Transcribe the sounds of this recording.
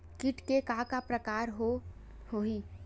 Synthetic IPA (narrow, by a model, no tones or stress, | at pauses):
kiʈkekakapɾəkaːɾɦo | hoi